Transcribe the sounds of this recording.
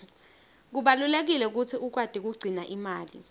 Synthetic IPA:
k̬uɓalulek̬ilɛuk̬ut͡sʰiʔuk̬wad̥ʱik̬uɡ͡ǀʱinaʔimaːlḭ

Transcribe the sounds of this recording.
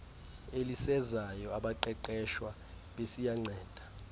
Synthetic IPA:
elisɛzajɔaɓaǃɛǃɛʃwa | ɓesijaŋ͡ǀʱɛːd̥ʱḁ

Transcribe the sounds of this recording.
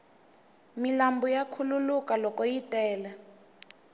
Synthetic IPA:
milambujakʰululukalɔkɔjitʼɛːlɛ

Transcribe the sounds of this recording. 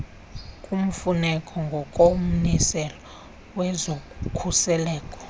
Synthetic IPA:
kʼum̩funɛkʼɔŋɡʱɔkʼom̩nisɛlɔ | wɛzokʰusɛlɛːkʼɔ̥

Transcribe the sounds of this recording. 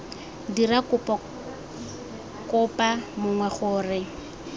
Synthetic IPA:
dirakʊp | kʊpʼamʊŋwɛχʊːrɪ

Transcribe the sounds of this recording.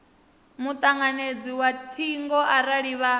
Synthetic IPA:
mut̪ʼaŋaned͡ziwat̪ʰiŋɡɔʔaɾaɺiβa

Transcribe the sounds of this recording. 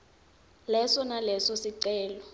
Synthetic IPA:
lɛsɔnalɛsɔsiǀɛːlɔ

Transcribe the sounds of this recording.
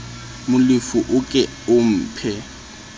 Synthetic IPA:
mʊlɪfʊʔʊkʼɛ | ʊm̩ːpʰɛ

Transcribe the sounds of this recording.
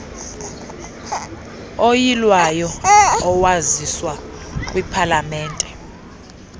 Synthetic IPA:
ojilwajɔɔwaziswak̬ʼwipʰalamɛːntʼɛ

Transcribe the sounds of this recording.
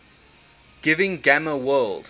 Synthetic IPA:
ɡ̥ɪvɪ̃ŋɡaməwɜlˠd̥

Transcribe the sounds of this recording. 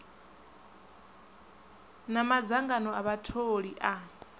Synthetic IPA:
namad͡zaŋɡanɔaβatʰoɺiʔa

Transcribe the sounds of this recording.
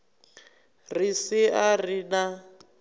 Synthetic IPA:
risiarina

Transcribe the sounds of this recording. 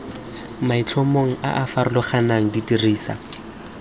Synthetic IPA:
mait͡ɬʰɔmoŋ̩a̰ʔafaɾʊlɔχanaŋ̩ditiriːsa̰

